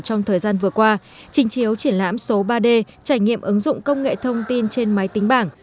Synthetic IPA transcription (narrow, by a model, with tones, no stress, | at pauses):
t͡ɕɔ˧wŋ͡mt̪ʰəː˨˩jzaː˧nvɨ˨˩əkwaː˧ | t͡ɕï˨˦ŋ̟t͡ɕi˨˦əwt͡ɕi˧˩ənla̰ː˧˥mso˨˦ɓaː˧ɗe˧ | t͡ɕaː˧˩jŋḭ˧˨əmʔɨ˨˦ŋzʊ̰˧˨ŋ͡mkə˧wŋ͡mŋḛ˧˨t̪ʰə˧wŋ͡mt̪i˧nt͡ɕe˧nma˨˦jt̪ï˨˦ŋ̟ɓaː˧˩ŋ